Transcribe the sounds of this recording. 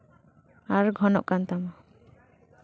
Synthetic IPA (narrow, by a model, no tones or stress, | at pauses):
aɾɡʱɔnɔ̰ʔkant̪amɔ